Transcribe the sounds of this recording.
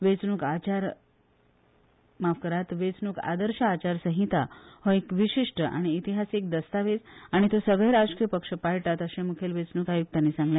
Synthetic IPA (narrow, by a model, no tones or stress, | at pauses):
ʋet͡snuːkat͡ɕaɾ | mafkəɾat̪ʋet͡snuːka̰d̪əɾɕaːt͡ɕaɾsə̃ɦit̪ahɔekʋiɕiʂʈəʔa̰ɽ̃iːt̪iɦasek̚d̪əst̪aʋed͡zaɽ̃it̪osəɡɭeɾad͡zkijəpəkʂəpajʈat̪əɕẽmukʰelʋet͡snuːkajuɡ̚t̪anːiːsãŋɡljã